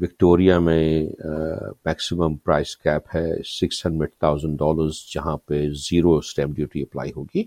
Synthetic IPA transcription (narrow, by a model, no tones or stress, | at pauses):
ʋɪkʈoːɾijamẽ | mɛːksɪmə̃mpɾaːɪskɛːphɛsɪksə̃nɖmeʈt̪ʰaːʊzə̃ɳɖɖɔːləɾzd͡ʒɐɦãpeziːɾosʈɛ̃ːmɖjuːʈiɐpla̰ːiɦoːɡiː